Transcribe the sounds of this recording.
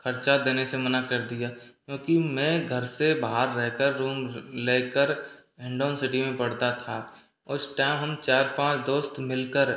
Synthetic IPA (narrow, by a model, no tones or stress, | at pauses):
kʰəɾt͡ʃad̪eːnesemənakɐɾd̪ijakjõːkimɛ̃ːɡʱəɾsebaɦaɾːɛɦkəɾːuːmleːkəɾ | ɪ̃ɳɖoːnsɪʈimẽpɐɽ̤t̪at̪ʰa | ʊsʈaːɪmɦəmt͡ʃaːɾpãːt͡ʃd̪oːst̪mɪlkəɾ